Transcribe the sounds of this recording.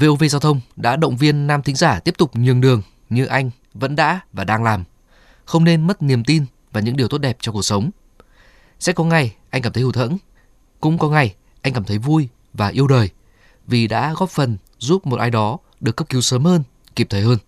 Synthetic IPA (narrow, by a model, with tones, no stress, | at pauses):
ve˧ʔo˧ve˧zaː˧wt̪ʰə˧wŋ͡mɗa̰ː˧˥ɗə̰˧˨wŋ͡mvi˧ənːaː˧mt̪ʰï˨˦ŋ̟zaː˧˩t̪i˦˥əp̚t̪ʊ˨˩k͡p̚ɲɨ˨˩əŋɗɨ˨˩əŋ | ɲɨ˧ʔa˧jŋ̟ | və̰˧˥nɗa̰ː˧˥vaː˨˩ɗaː˧ŋlaː˨˩m | xə˧wŋ͡mne˧nmə˦˥t̚ni˨˩əmt̪i˧n | vaː˨˩ɲɨ̰˧˥ŋɗi˨˩əwt̪o˦˥t̚ɗɛ˨˩p̚t͡ɕɔ˧ku˨˩ək̚sə˨˦wŋ͡m | sɛ̰˧˥kɔ˨˦ŋa˨˩jʔa˧jŋ̟aː˩t̪ʰə˨˦hu˧˩t̪ʰə̰˧˥n | kʊ̰˧˥ŋ͡mkɔ˨˦ŋa˨˩j | ʔa˧ŋkaː˧˩mt̪ʰə˨˦jvu˧j | vaː˨˩ʔi˧əwɗəː˨˩j | vi˨˩ɗa̰ː˧˥ɣɔ˦˥p̚fə˨˩n | zu˦˥p̚mo˨˩t̚ʔaː˧jɗɔ˨˦ | ɗɨ˨˩əkːə˦˥p̚kːi˨˦wsəː˨˦mhəː˧n | ki˨˩p̚t̪ʰːjhəː˧n